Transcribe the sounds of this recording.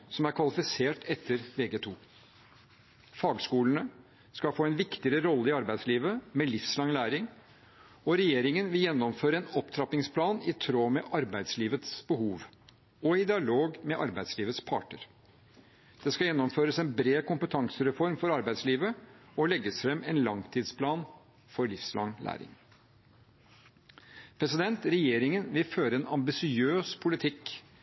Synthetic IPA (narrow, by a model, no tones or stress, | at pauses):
sɔmæɾkʰʋɑlɪfɪseːʈɛt̪ʰːəɾʋeːɡeːt̪ʰuː | fɑːɡskuːlənə | skɑfoːɛnʋɪkt̪ɪəɾəɾɔlːəɪɑɾbæɪd̪sliːʋəmɛlɪfslɑŋlæːɾɪŋ | ɔɾɛjeːɾɪŋənʋɪljɛnːɔmføːɾəɛnɔpt̪ʰɾɑpɪŋspʰlɑːnɪt̪ʰɾoːmɛʔɑɾbæɪd̪sliːʋət̪sb̥əhuːʋ | ɔɪd̪ɪɑloːɡmɛʔɑɾbæɪd̪sliːʋət̪spʰɑ̰ːʈə̰ɾ | d̪̥ɛskɑjɛnːɔmføːɾəsɛnbɾeːkʊmpət̪ʰɑŋsəɾɛfɔɾmfɔɾɑɾbæɪd̪sliːʋəɔlɛɡːəsfɾɛmɛnlɑŋt̪ʰiːd̪spʰlɑːn | fɔɾɭɪfslɑ̰ŋlʔæ̰ːɾɪ̰ŋ | pʰɾɛsɪd̪ɛnt̪ɾɛjeːɾɪŋənʋɪlføːɾəɛnɑmbɪsɪøːspʰʊlɪt̪ʰɪk